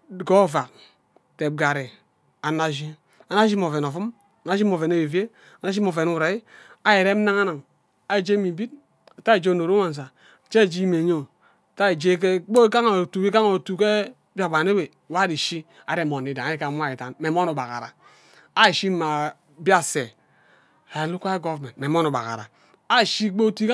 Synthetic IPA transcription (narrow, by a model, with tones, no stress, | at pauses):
ɡo˦˨va˨k̚ | te˨b̚ɡa˨ɾe˨ | a˨na˦ʒi˦ | a˨na˦ʃi˦m˨o˨ve˨n˨o˨fu˦m | a˨na˦i˦mo˨ve˨ne˦we˨ve˦ | a˨na˦ʃi˦mo˨ve˨nu˦˨ɾa˨i˦a˦je˨ɾe˦m̩˦na˦ŋa˦na˨ŋ | a˨d͡ʒe˦mi˨bi˦t̚ | a˨ta˦e˨d͡ʒe˦˨no˨ɾo˦a˨n˨s̬a˨ | t͡ʃe˦˨d͡ʒi˦me˨ɲo˦˨ | ta˦e˨d͡ʒe˦k̬e˦k͡po˦ka˦ŋa˨tu˨ki˦ka˦ŋo˨tu˨ke˦ | ba˨ba˨ne˦we˨wa˦ɾi˨ʃi˦ | a̰˨de˦˨mo˨ni˨da˨˦i˦ka˨˦mʷ˦a˦i˨ta˨nme˨m˦o˦nu˨ba˨ka̰˨ɾa̰˨ | a˦˨ʃi˦ma˨ | bja˦˨se˨ | a˨e˨lu˦kʷa˦ɡo˦vme˨me˨m˦o˦nu˨ba̰˨ka̰˨ɾa˨ | a˦˨ʃi˦k͡po˦˨tu˦i˦ka˦